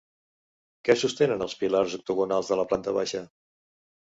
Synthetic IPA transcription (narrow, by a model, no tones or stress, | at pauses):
kɛsust̪enənəlˠspilarzuk̚t̪uɣunalˠzðələplant̪əβaʃə